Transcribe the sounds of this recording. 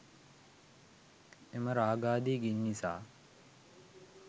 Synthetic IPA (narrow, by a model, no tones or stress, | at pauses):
eməɾaːɡaːd̪iːɡinːisa̰ː